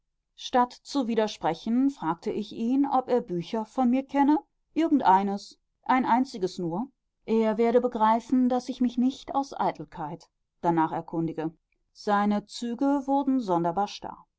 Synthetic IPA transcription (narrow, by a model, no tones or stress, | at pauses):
ʃtatt͡suviːdɐʃpʁ̥ɛçn̩fʁ̥aːk̚tʰəʔɪçʔiːnɔpeːɐbyːçɐfɔnmiːɐkʰɛnə | ʔɪɐɡŋ̩tʔaɪnəs | ʔaɪnʔaɪnt͡sɪɡəsnuːɐ | ʔeːɐveːɐɾəbəɡʁaɪfn̩dasɪçmɪçnɪçta̰ʊsʔa̰ɪtʰl̩kʰaɪt | d̥anaːχɛɐkʰʊndɪɡə | z̥aɪnət͡syːɡəvʊɐdn̩zɔndɐbaːɐʃta̰ɐ